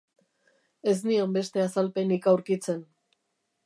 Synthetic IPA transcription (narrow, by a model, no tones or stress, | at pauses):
e̞z̬niombe̞st̪e̞asalpe̞nikawɾkit͡se̞n